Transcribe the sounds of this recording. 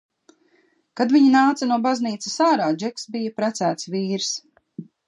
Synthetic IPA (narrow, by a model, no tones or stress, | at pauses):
kad̪viɲinaːt̪sanuɔbazniːt̪sasaːɾaːd͡ʒɛksbijapɾæt̪sæːt̪sviːɾs